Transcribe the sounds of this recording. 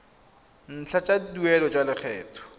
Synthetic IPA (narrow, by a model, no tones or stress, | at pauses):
n̩t͡ɬʰat͡ʃʼadduɛlɔt͡ʃʼalɪk͡xʰɛːtʰɔ̥